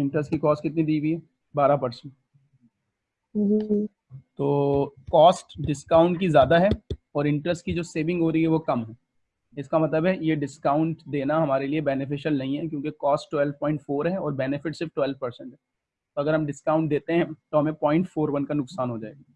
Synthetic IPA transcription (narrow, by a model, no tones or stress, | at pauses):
ɪ̃ɳʈɾəsʈkikɔːsʈkɪt̪̚nid̪iːɡiɦɛ | baːɾapɐɾsə̃ɳʈ | d͡ʒiː | t̪oːkɔːsʈɖɪskaːʊ̃ɳʈkizjaːd̪aɦɛɔːɾɪ̃ɳʈɾəsʈkid͡ʒoːseːʋɪ̃ŋɡɦoːɾɐɦiɦɛʋokɐmɦɛː | ɪskamɐt̪ləbɦɛjeɖɪskaːʊ̃ɳʈd̪eːnaɦɐmaːɾeliebɛnɪfɪʃəlnɐɦĩɦɛk̬jõːkekɔːsʈʈwɛlʋpɔ̃ːɪ̃ɳʈfoːɾɦɛɔːɾbɛnɪfɪʈsɪɾfʈwɛlpɐɾsɛ̃ɳʈɦɛː | t̪oɐɡəɾɦɐmɖɪskaːʊ̃ɳʈ̚d̪eːt̪eɦɛ̃t̪oɦɐmẽpɔ̃ːɪ̃ɳʈfoːɾʋɐnkanʊksaːnɦod͡ʒaːeːɡaː